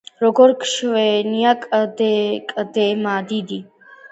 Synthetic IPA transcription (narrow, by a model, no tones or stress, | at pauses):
ɾoɡoɾkʃʋenijakʼd̪ekʼəd̪emad̪id̪i